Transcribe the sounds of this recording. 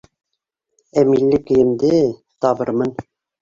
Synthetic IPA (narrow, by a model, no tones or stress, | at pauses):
æmilːɘkɘ̆jɘ̆md̪ɘ | t̪ɑbɤɾmɤn